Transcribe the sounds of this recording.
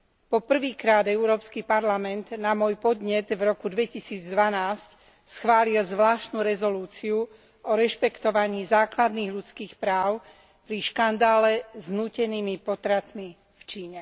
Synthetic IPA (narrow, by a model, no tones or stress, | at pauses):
pɔpr̩ʋiːkɾaːd̪ɛʊɾɔːpskipaɾlamɛnd̪namɔjpɔd̪ɲɛd̪vɾɔkud̪ʋɛcisiːd͡zd̪ʋanaːsc | sxʋaːlilzʋlaːʃt̪nuɾɛzɔluːt͡siu | ɔɾɛʃpɛkt̪ɔʋaɲiːzaːklad̪niːɣʎut͡skiːxpɾaːʊ | pɾiʃkand̪aːlɛznuːcɛniːmipɔt̪ɾat̪mi | ft͡ʃiːɲɛ